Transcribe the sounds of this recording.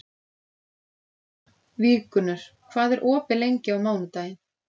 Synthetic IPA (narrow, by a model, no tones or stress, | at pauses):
viːkʏnʏɾ̥kʰv̥aːðɛɾʔɔːpɪlejɲcɪawmaːwnʏt̪aːjɪn